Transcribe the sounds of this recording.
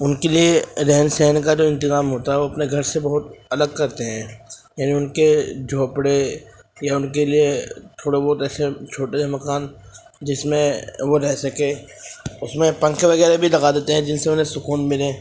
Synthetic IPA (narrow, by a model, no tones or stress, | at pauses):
ʊnkelieɾɛɦnsɛɦnkad͡ʒoːɪ̃nt̪ɪzaːmɦoːt̪aɦɛʋoɐpneɡʱɐɾsebɐɦʊt̪ɐləɡ̚kɐɾt̪eɦɛ̃ːjaːniʊnked͡ʒʱoːpɽe | jaʊnkeliet̪ʰoːɽebɔːt̪ɛːset͡ʃʰoːʈemɐkaːn | d͡ʒɪsmẽʋoɾɛɦsɐkeː | ʊsmẽpɐ̃ŋkʋɐɣɛːɾebʱilɐɡad̪eːt̪eɦɛ̃d͡ʒɪnseʊnɦẽsʊkuːnmɪlẽː